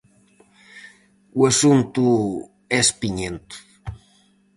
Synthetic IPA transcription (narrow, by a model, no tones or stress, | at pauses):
wesunt̪u | espiɲent̪